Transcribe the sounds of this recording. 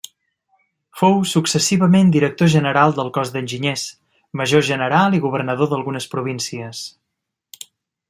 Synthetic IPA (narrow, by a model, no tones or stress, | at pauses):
fowsuksəsiβəmend̪iɾək̚t̪oʒənəɾalˠd̪əlˠkɔzd̪ənʲʒiɲes | məʒoʒənəɾalˠiɣuβ̞ərnəðoðəlˠɣunəspɾuβ̞insiəs